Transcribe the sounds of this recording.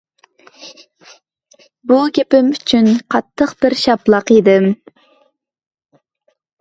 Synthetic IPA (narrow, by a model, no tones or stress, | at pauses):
buɡʲepɪmyt͡ʃʰynqʰɑt̪ʰːəqb̥ɪɾʃɑplˠɑqid̪ɪm